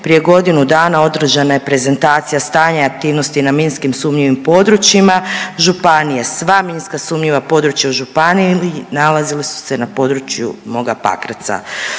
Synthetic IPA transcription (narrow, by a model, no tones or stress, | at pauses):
pɾije̞ɡo̞d̪inud̪aːnao̞d̪ɾ̩ʒanajepɾe̞ze̞nt̪aːt̪sijast̪aːɲeak̚t̪iːʋno̞st̪inaminskimsumɲiʋimpo̞d̪ɾut͡ɕimaʒupanijesʋaminskasumɲiʋapo̞d̪ɾut͡ʃjauʒupaniinalazilisu̥se̞napo̞d̪ɾut͡ɕjṵmo̞ɡapa̰kɾat̪sa̰